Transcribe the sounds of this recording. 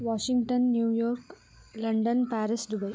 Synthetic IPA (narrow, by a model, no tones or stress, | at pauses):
ʋɔɕiŋɡʈənːjuːjɔɾk | lɐɳɖənpæɾisd̪ubɐi